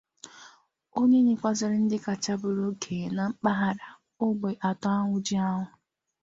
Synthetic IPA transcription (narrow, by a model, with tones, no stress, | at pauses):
o˦ɲe˦ɲe˨kʷa˦zɪ˨ɾɪ˦n̩˦dɪ˦ka˨t͡ʃa˦bʊ˨ɾʊ˦kʰe˨na˨ŋ͡m̩˦k͡pa˦ɦa˦ɾa˨ | ʊ˦ɡ͡be˨ʔa˨tɔ˦a˦ŋʷʊ˦d͡ʒɪ˦a˦ɦʊ˦˨